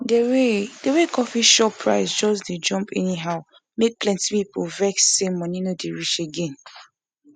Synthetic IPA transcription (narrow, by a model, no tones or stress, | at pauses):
deɹedeɹekʰɔfiʃɔpʰɹa̰ɪsd͡ʒɔs̬ded͡ʒɔ̃mpʰɛniɦaʊ | mek̚plɛ̃ntipipovɛksːemɔninodeɹit͡ʃeɡɛ̃n